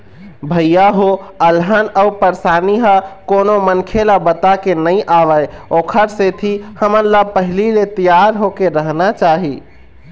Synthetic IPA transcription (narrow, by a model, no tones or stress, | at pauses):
bʱəjjaɦoəlɦanəwpəɾsaniɦəkonomənkʰelabət̪akenəjʔaʋəjokʰəɾset̪ʰihəməɾlapəɦililet̪əjaɾɦokeɾəɦnat͡ʃaɦi